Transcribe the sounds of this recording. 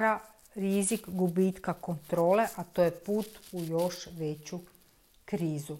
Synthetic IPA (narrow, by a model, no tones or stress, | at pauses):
ɾa | ɾizikɡubit̪kakont̪ɾo̞ːle̞ʔat̪oːjepuːt̪ujo̞ʃʋet͡ɕu | kɾiːzu